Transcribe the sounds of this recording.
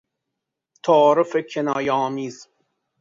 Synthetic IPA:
t̪ʰɑːɾofekʰenɒːjeɒːmiːz

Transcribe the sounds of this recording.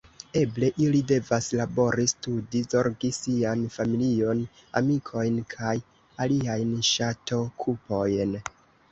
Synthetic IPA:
e̞ble̞ʔilide̞vaslabo̞ɾistudizo̞ɾɡisianfamilio̞n | a̰mikʰo̞jnkʰaj | aliajnʃatʰo̞kʰupo̞jn

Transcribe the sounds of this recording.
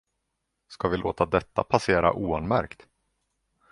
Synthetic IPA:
skavɪloːt̪ad̪ɛt̪ːa̰pʰaseːɾa̰ʔuːanmæɾkt̪

